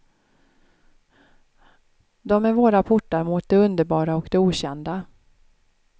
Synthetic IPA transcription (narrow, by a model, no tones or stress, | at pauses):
d̪ɔmæɾvoːɾapʰʊʈːaɾmuːt̪̚d̪ɛɵnd̪əɾbɑːɾaɔkd̪ɛuːɕɛnd̪a